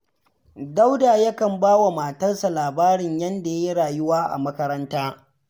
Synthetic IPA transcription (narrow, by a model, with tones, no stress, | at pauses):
da˦wdaː˨jɐ˦kɐ˨mbaː˦wa˨maː˨tɐ˦rsa˨laː˨baː˦ɾɪ˨ɲjɐ˦nda˨je˦ɽaː˨jʊ˦waː˦ʔa̰˨mɐ˦kɐ˦ɾɐ˦ntaː˦